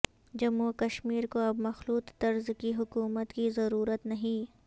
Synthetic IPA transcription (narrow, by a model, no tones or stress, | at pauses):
d͡ʒɐmɦukɐʃmiːɾkoɐbmɐxluːt̪t̪ɐɾzkiɦʊkuːmət̪kizɐɾuːɾət̪nɐɦĩː